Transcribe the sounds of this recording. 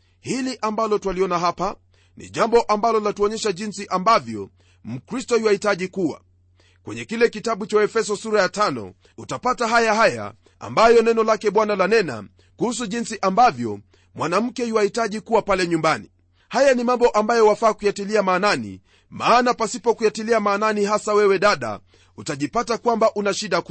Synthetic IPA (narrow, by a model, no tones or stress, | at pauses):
hiliʔambalɔtwaliɔnaɦapa | nḭʄambɔʔambalɔlatuɔɲɛʃaʄinsiʔambavjɔ̰ | m̩kɾistɔiwahitaʄikuwa̰ | kwɛɲɛkilɛkitaɓut͡ʃaɛfɛs̬ɔsuɾajatanɔ̰ | utapataɦajaɦaja̰ | a̰mbajɔnɛnɔlakɛɓwanalanɛna̰ | kuhus̬uʄinsiʔambavjɔ̰ | mwanam̩kɛhiwahitaʄikuwapalɛɲumbani | hajanimambɔʔambajɔwafaːkujatiliamaːnanḭ | maːnapasipɔkujatiliamaːnaniɦasawɛwɛɗaɗa̰ | utaʄipatakwambaʔunaʃiɗak